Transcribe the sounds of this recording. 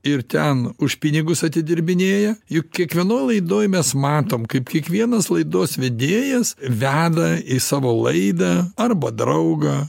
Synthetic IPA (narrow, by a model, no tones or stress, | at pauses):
ɪɾt̪ʲɛnʊʃpʲɪnʲɪɡʊsɐt̪ʲɪd̪ʲɪɾʲbʲɪnʲeːjɛjʊkkʲiɛkʋʲiɛnoːjlˠɐɪd̪oːjmʲɛsmɑːt̪oːmkɐɪpkʲiɛkʋʲiɛnɐslˠɐɪd̪oːsʋʲed̪ʲeːjɛsʋʲæːd̪ɐisɑːʋoːlˠɐɪd̪ɐɐrbɐd̪ɾɐʊɡɐ